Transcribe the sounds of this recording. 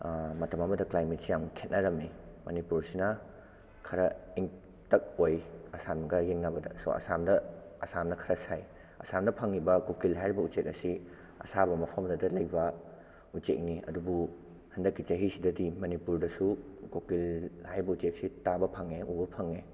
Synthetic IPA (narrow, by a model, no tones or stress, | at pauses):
mɐtɐmɐmɐdɐklajmet̚sijamkʰet̚naɾɐmnimɐnipuɾsinɐ | kʰɐɾɐiŋ | tɐk̚ojɐsamɡɐjeŋnabɐdɐ̰so̰ʔɐ̰samdɐɐsamnɐkʰɐɾɐsaj | ɐ̰samnɐpʰɐŋːibɐkokilɦajɾibɐut͡ʃek̚ɐsi | ɐ̰sabɐmɐpʰamdɐdɐlɐjbɐ | ut͡ʃḛk̚niɐ̰dubu | hɐndɐkːit͡ʃɐɦisidɐdimɐnipuɾdɐsukokilhajɾbɐut͡ʃek̚sitabɐpʰɐŋeubɐpʰɐŋe